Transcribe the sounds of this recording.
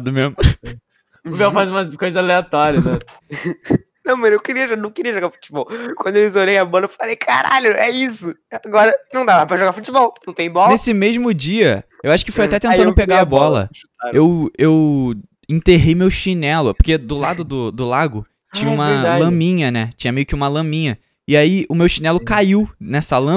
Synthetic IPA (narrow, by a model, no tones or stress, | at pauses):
d̪ʊmemʊ | ʊbɛwfajzũmɐkojzɐaleat̪ɔɾjɐnɛ | nɐ̃w̃mɐ̃nẽw̃kɪɾiɐʒnɐ̃w̃kɪɾiɐʒoɡafu̥t͡ʃibɔwkwɐ̃nd̪ewizolejɐbɔlɐewfalejkʰa̰ɾa̰ʎʊɛisʊaɡɔɾɐnɐ̃w̃d̪avɐpɾɐʒoɡafut͡ʃibɔwnɐ̃w̃t̪ẽj̃bɔlnesɪmeʒmʊd͡ʒiɐewaʃʊ̥kɪfojat̪ɛt̪ẽnɐ̃nd̪peɡaabɔlɐ̰ | ewew | ẽnt̪eɦejmewʃinɛlʊpoχked̪ʊlad̪ʊd̪ʊd̪ʊlaɡʊ | t͡ʃĩɲɐ̃ũmɐlɐ̃mĩɲɐnɛt͡ʃĩɲɐmejʊkɪũmɐlɐ̃mĩɲɐ | ɪaiʊmewʃinɛlʊkaiwnɛsɐlɐ̃